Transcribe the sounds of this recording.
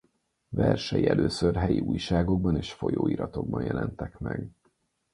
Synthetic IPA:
vɛrʃɛjiɛløːsørɦɛjiuːjʃaːɡo̞ɡ̚bɒneːʃfo̞joːiːɾɒt̪o̞ɡ̚bɒnjɛlɛnt̪ɛkmɛɡ

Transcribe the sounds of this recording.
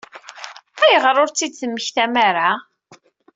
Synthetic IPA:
æjəʁɾˤʊɾt͡sːid̪t͡sːəmːəçθæmaɾa

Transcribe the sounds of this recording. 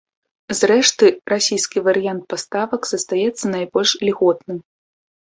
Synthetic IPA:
zrɛʂt̪ɨrasʲijskʲivɐɾɨjant̪̚past̪avɐkz̥ɐst̪ajɛt̪sːɐnajbɔlʲʂlʲɣɔt̪nɨm

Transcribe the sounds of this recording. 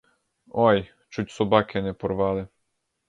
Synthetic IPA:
oj | t͡ʃutʲsɔbakɛnɛpɔɾʋalɪ

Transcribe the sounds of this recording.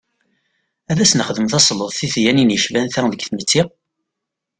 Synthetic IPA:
æðæsnχðəmθɑsˤləðˤθiθjæninjəʃvænθæŋðəɡθmət͡sːi

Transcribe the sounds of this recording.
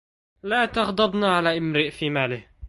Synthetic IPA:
laːt̪ɑɣd̪ˤɑbnaʕalaːʔɪmɾɪʔfiːmaːlɪh

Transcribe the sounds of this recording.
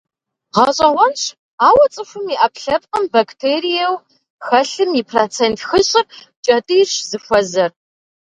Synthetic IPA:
ʁɐɕʼɐʁʷɔnɕ | aːwɐt͡sʼɨfʷʊmiʔɐpɬɐp̚qʼəmbaktʰeːɾijɛw | xɐɬɨmipʰrot͡sʰeːntʰxɨɕʼɪr | t͡ʃʼɐtʼɨːɕzɨxʷɔzɐr

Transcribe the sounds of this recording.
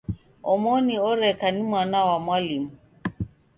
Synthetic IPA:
ɔmɔniɔɾɛkanimwanawamwalimu

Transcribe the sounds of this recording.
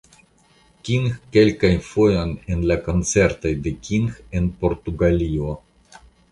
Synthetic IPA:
kʲiŋxke̞lkajfo̞jo̞nenlako̞nt͡se̞ɾtojde̞kʲʰiŋxe̞npo̞ɾtuɡalio

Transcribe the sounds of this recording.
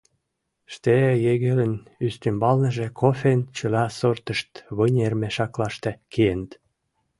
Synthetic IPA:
ʃt̪ejeɣelə̆nyst̪ymbɑlnə̆ʒĕkʰofent͡ɕəlɑsort̪əʃt̪βənʲermeʃɑklɑʃt̪ĕkʰeenət̪

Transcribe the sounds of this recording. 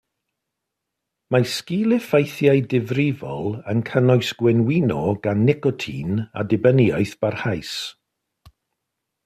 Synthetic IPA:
maskilˠɪfajθjajdɪvrɪvɔlˠənkʰənɔjsɡ̥wɛnwinɔɡ̥anːɛkɔtʰḭna̰dɪbəniɔɨθb̥arhajs

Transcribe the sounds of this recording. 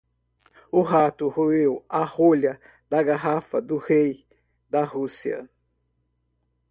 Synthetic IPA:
uɦat̪uhuweuaholja | d̪aɡaɦafad̪uhej | d̪aɦusia̰

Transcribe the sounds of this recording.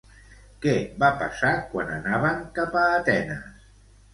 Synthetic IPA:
kɛbapasakwananaβ̞əŋkapaːt̪ɛnəs

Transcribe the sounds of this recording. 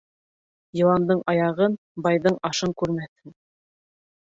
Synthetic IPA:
jɤ̆lˠɑnd̪ɤɴɑjɑʁɤn | bɑjðɤɴɑʃɤɴkʉɾmæθɘn

